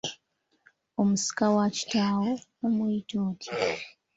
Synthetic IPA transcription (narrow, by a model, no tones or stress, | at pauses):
omusi̥kawat͡ʃi̥taːwoomuitoːtʰi